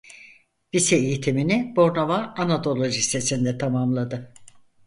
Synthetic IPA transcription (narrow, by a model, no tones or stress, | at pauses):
visɛejit̪ʰiminibo̞ɾnavaːnad̪o̞lˠo̞ʒisesind̪ɛt̪ʰamamlˠad̪ɯ